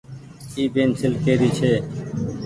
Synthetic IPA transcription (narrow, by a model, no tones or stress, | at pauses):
iːbeːnsɪlkeːɾiːt͡ʃʰeː